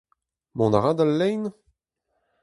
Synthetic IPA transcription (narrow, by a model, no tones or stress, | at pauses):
mɔ̃naʁad̪alːɛjn